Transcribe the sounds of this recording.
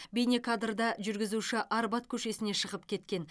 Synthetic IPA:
bejnekʰad̪rd̪ɑʒʏɾɡʲɪzuʃɪʔɑɾbɑt̪kʲʰɵʃe̞sɪneʃəʁəpkʲʰe̞t̪kʲe̞n

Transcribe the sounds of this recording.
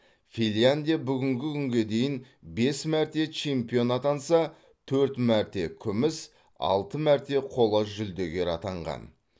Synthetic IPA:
filʲjand̪ijabʏɡʲɪŋɡʲɪkʲʰʏŋɡʲe̞d̪e̞jɪn | be̞smæɾt̪e̞t͡ʃʰe̞mpijo̞nɑt̪ɑnsɑ | t̪ʰɵɾt̪mæɾt̪e̞kʲʰʏmɪs | ɑ̰lˠt̪əmæɾt̪e̞qʰo̞lˠəʒʏld̪e̞ɡʲe̞ɾɑ̰t̪ɑɴʁɑ̰n

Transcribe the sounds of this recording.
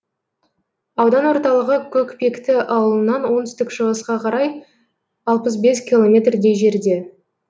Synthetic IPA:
ɑwd̪ɑnwo̞ɾt̪ɑlˠəʁəkʲʰɵkpe̞kt̪ɪʔɑwəlˠənːɑnwo̞nt̪ʏst̪ɪkʒəʁəsqɑqʰɑɾɑj | ɑlˠpəs̬be̞skʲilˠo̞mʲe̞t̪rd̪e̞jʒe̞ɾd̪e̞

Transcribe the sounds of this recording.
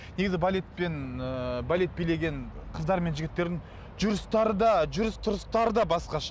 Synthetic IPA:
ne̞ɡʲɪzɪbalʲe̞t̪̚pe̞nbalʲe̞t̪̚bijle̞ɡʲe̞ɴqʰəzd̪ɑɾme̞nʒɪɡʲɪt̪ːe̞ɾd̪ɪŋ | ʒʊɾəst̪ɑɾəd̪ɑʒʊɾɪst̪ʰʊɾəst̪ɑɾəd̪ɑbɑsqɑʃɑ

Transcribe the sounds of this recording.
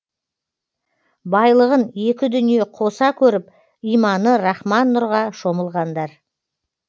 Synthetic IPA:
bɑjlˠəʁəne̞kʲɪd̪ʏnije̞qʰo̞sɑkʲʰɵɾɪp̚ | ijmɑnəɾɑχmɑnːʊɾʁɑʃo̞məlˠʁɑnd̪ɑɾ

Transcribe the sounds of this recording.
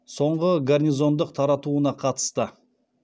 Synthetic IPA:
so̞ɴʁəɡarnʲijzo̞nd̪əqt̪ʰɑɾɑt̪uənɑqʰɑt̪ə̥st̪ə

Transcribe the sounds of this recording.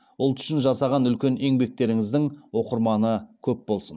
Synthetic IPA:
ʊlˠt̪ʰʏ̥ʃɪnʒɑsɑʁɑnʏlkʲe̞ne̞ŋbe̞k̚t̪e̞ɾɪŋɪzd̪ɪŋwo̞qəɾmɑnəkʲʰɵp̚bo̞lˠsən

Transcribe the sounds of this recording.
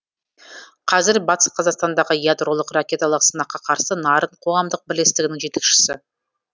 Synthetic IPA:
qʰɑzɪɾbɑt̪ə̥sqʰɑzɑqst̪ɑnd̪ɑʁəjad̪ɾo̞lˠəqrakʲe̞t̪alˠəqsənɑqːɑqʰɑɾsənɑɾəɴqʰo̞ʁɑmd̪əq̚bɪle̞st̪ɪɡɪnɪŋʒe̞t̪e̞kʃɪ̥sɪ

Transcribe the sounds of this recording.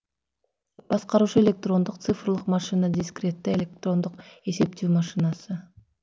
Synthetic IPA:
b̥ɑsqɑɾut͡ʃuelʲe̞k̚t̪ro̞nd̪uq̚t̪sɨfrlˠɯqmɑʃɨnad̪ʲiskrʲet̪ːeelʲe̞k̚t̪ro̞nd̪uqe̞se̞p̚t̪yːmɑʃɨnasɯ

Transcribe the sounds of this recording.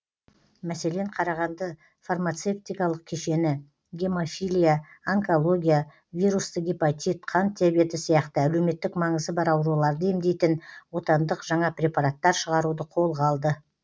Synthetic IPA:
mæse̞le̞ɴqʰɑɾɑʁɑnd̪ə | farmat̪se̞p̚t̪ijkɑlˠəq̚kʲʰeʃe̞nɪ | ɡʲe̞mofijlʲijaːŋko̞lˠo̞ɡʲija | vijɾust̪əɡʲepot̪ʲit̪qʰɑnt̪ʰːeabe̞t̪ɪsijɑqt̪əæle̞wme̞t̪ːɪkmɑɴəzd̪əbɑɾɑwɾulˠɑɾd̪əe̞md̪e̞jt̪ɪnwo̞t̪ɑnd̪əqʒ̥ɑɴɑpɾʲe̞pɑɾat̪ːɑɾʃəʁɑɾud̪əqʰo̞lˠʁɑlˠd̪ə

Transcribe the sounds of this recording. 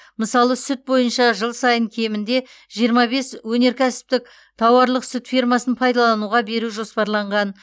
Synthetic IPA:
məsɑlˠəsʊt̪̚bo̞jənʃɑʒəlˠsɑjəŋkʲʰe̞mɪnd̪e̞ | ʒijəɾmɑbe̞swɵne̞ɾkʲʰæsɪ̥p̚t̪ɪk̚ | t̪ʰɑwɑɾlˠəqsʏt̪fʲijrmɑsənpʰɑjd̪ɑlˠɑnuʁɑbe̞ɾuʒo̞spɑɾlˠɑɴʁɑn

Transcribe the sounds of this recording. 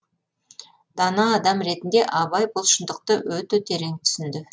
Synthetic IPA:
d̪̥ɑnɑːd̪ɑmɾe̞t̪ɪnd̪e̞ʔɑbɑjbʊlˠʃənd̪əq̚t̪əwɵt̪et̪ʰe̞ɾe̞ŋt̪ʰʏ̥sɪnd̪ɪ

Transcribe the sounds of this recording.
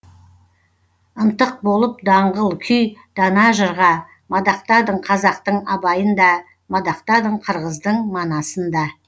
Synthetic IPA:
ənt̪əq̚bo̞lˠəp̚d̪ɑɴʁəlˠkʲʰʏjd̪̥ɑnɑʒəɾʁɑ | mɑd̪ɑqt̪ɑd̪əɴqʰɑzɑqt̪əɴɑbɑjənd̪ɑ | mɑd̪ɑqt̪ɑd̪əɴqʰəɾʁəzd̪əɴmɑnɑsənd̪ɑ

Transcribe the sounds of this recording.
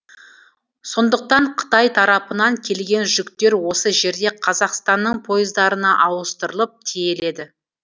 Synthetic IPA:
so̞nd̪əq̚t̪ɑɴqʰə̥t̪ɑjt̪ʰɑɾɑpənɑŋkʲʰe̞lɡʲe̞nʒʏkt̪e̞ɾwo̞səʒe̞ɾd̪e̞qʰɑzɑqst̪ɑnːəɴpʰo̞jəzd̪ɑɾənɑʔɑwəst̪əɾəlˠəp̚t̪ʰeje̞le̞d̪ɪ

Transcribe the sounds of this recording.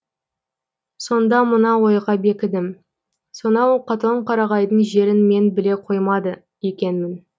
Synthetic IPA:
so̞nd̪ɑmənɑwo̞jʁɑbe̞kʲɪd̪ɪm | so̞nɑwqʰɑt̪oɴqʰɑɾɑʁɑjd̪əɴʒe̞ɾɪnme̞nbɪle̞qʰo̞jmɑd̪ə | je̞kʲe̞nmɪn

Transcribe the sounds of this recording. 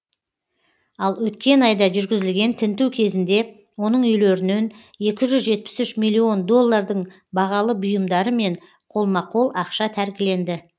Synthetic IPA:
ɑlˠwɵt̪̚kʲe̞nɑjd̪ɑʒʏɾɡʲɪzɪlɡʲe̞nt̪ʰɪnt̪uwkʲʰe̞zɪnd̪e̞ | wo̞nəɴʏjleɾɪne̞n | je̞kʲɪʒʏzʒe̞t̪̚pɪ̥sʏʃmijlʲːio̞nd̪o̞lˠːɑɾd̪əɴ | bɑʁɑlˠəbʊjəmd̪ɑɾəme̞ɴ | qʰo̞lˠmɑqʰo̞lˠɑqʃɑt̪ʰæɾkʲɪle̞nd̪ɪ

